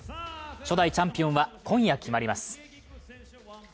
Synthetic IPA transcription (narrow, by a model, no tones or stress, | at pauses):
ɕo̞d̪ait͡ɕãmpʲijõ̞ɰ̃βakõɰ̃jakʲʰimaɾʲimasɨ̥